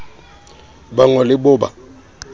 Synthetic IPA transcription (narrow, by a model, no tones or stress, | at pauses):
baŋɔlɪbʊba̰